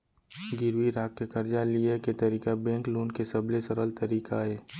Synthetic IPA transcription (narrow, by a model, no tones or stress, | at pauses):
ɡɪɾwiɾaːkːekɐɾd͡ʒalieket̪ɐɾiːkabẽːŋkluːnkesɐblesəɾəlt̪ɐɾiːkaɦeː